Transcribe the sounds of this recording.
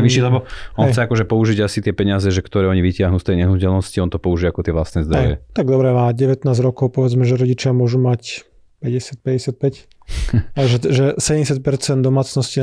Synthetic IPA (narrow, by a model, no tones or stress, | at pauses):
ʋiʃilɛbɔɔnɛxt͡sɛakɔʒɛpɔuʒiɟasit̪ɪɛpɛɲɪazɛʒɛkt̪ɔɾɛːɔɲiʋicɪaɦnuːst̪ɛjɲɛɦnucɛlnɔsciɔnt̪ɔpɔuʒiakɔt̪ɪɛʋla̰st̪nɛzd̪ɾɛɔj̰jɛ̰t̪aɡd̪ɔbɾɛmaːɟɛʋɛt̪naːzɟɾɔkɔʊpɔʋɛd͡zmɛʒɛɾɔɟit͡ʃɪamʊɔʒumac | pɛɟɛsɪat̪̚pɛɟɛsɪat̪̚pɛc | aʒɛʒɛsɛɟɛmɛs̬jat̪̚pɛɾt͡sɛnd̪d̪ɔmaːt͡snɔsci